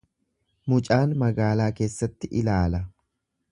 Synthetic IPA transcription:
mʊt͡ʃʼaːnmɐɡaːlaːke̞ːsːɐt̪ːɪʔɪlaːlɐ

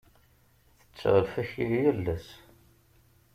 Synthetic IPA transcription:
θə̥t͡sːʁəlfæçiljælːæs

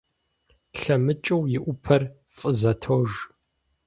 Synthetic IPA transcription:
ɬɐmɨt͡ʃʼɐwjɪʔʷʊpʰɐr | fʼəzɐtʰoʒ

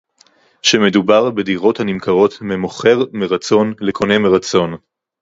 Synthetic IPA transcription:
ʃeme̞dubaʁbediʁo̞thanimkaʁo̞tmemoχe̞ʁmeʁat͡so̞nlekʰo̞ne̞meʁat͡so̞n

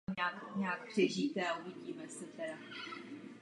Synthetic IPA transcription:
ɲaːkɲaːkɦr̝̥ɛʒiːt̪ɛauvɪɟiːmɛsɛt̪ɛɾa

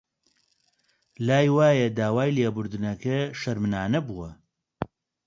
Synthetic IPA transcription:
laːjwaːjɐd̪aːwaːjleːbʊɾd̪ɨnɐkɐʃɐɾmɨnaːnɐbuwɐ

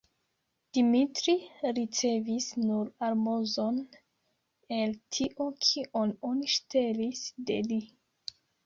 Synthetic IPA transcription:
d̥imitɾiɾit͡se̞visnuɾaɾmozon | e̞ltʰiʔokʰiʔononiʃte̞lisde̞̰li

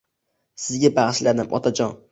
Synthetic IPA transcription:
sɪzɡʲabaʁʃlad̪ɪmʔɒ̰t̪ʰad͡ʒɒn

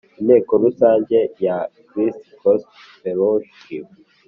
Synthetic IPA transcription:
ine̞ːkoɾusaːɲɟe̞jakɾistkost | feɾoʃ | i

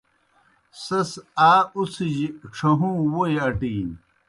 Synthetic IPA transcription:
sɐsaːusiʑiʈ͡ʂʰɐɦũːwojɐʈiːn

